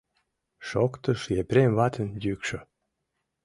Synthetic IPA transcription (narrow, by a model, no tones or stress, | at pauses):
ʃokt̪əʃjepɾʲemβɑt̪ʰə̆njykʃo